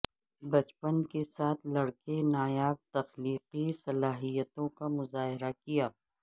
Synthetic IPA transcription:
bɐt͡ʃpənkesaːt̪ʰlɐɽkenaːjaːb̚t̪ɐxliːqisɐlaːɦijət̪õkamʊzaːɦɪɾakijaː

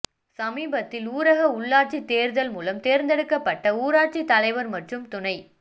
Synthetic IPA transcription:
sɐmiːbɐt̪ːɪluːɾɐɣɐʊɭːaːʈ̚t͡ʃit̪eːɾðɐlmuːlɐmt̪eːɾnd̪ɛɽɯkːɐpːɐʈːɐuːɾaːt͡ʃit̪ːɐlɐɪʋɐɾmɐʈrɯmt̪ʊnɐɪ

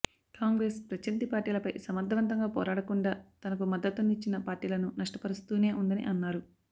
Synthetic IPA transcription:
kaːŋɡɾe̞ːspɾɐt͡ʃɐnt̪ipaːɾʈiːlɐpɐjsɐmɐd̪ʱːɐʋɐnt̪ɐŋɡaːpɔ̰ːɾaːɽɐkuɳɖaːt̪ɐnɐkumɐd̪ːɐt̪unːit͡ʃːinɐpaːɾʈiːlɐnunɐʂʈɐ̥pɐɾust̪uːne̞ːʔund̪ɐnḭʔɐnːaːɾu

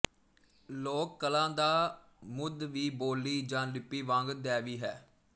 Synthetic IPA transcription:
loːkːəlãːd̪aː | mʊd̪ʋiːboːlːiːd͡ʒãːlɪpːiːʋãːŋɡd̪ɛːʋiːɦɛː

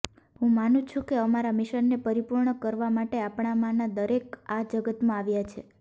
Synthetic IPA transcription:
ɦũmanũt͡ʃʰũkeəmaɾamiʃənːepəɾipuɾɳəkəɾʋamaʈeapɳ̃amanad̪əɾekad͡ʒəɡət̪mãaʋjat͡ʃʰe

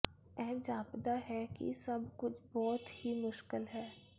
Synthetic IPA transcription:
ɛ̃ːd͡ʒaːpd̪aɦɛkḭsɐbkʊt͡ʃʰbɔːt̪himʊʃkɪlɦɛː

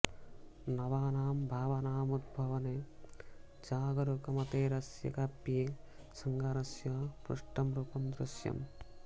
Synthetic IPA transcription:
nɐʋaːnaːmbʱaːʋɐnaːmud̪̚bʱɐʋɐne | d͡ʒaːɡɐɾukɐmɐt̪eːɾɐsjɐ̰kɐpjeː | sɐŋɡaːɾɐsjɐpɾṵʂʈɐmɾuːpɐmd̪ɾɪʃjɐ̰m

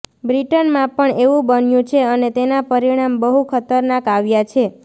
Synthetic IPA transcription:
bɾiʈənmãpəɳeʋũbənjũt͡ʃʰeənet̪enapəɾiɽ̃ambəɦukʰət̪əɾnakaʋjat͡ʃʰe

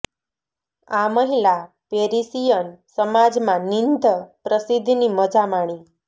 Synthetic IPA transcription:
aməɦila | peɾisijənsəmad͡zmanind̪ʱəpɾəsid̪ʱniməd͡zamaɽ̃i

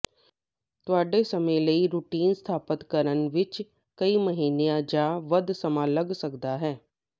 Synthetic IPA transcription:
t̪ʊaːɖesəmẽləiɾuʈiːnst̪ʰaːpət̪kəɾənʋɪt͡ʃ | kəiməɦiːnejãd͡ʒaːʋəd̪səmãːləɡsəkd̪aɦɛː

